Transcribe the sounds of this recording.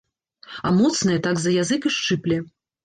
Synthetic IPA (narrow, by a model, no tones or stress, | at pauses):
ɐmɔt̪snɐjɛt̪aɡzɐjazɨkɨʂt͡ʂɨplʲɛ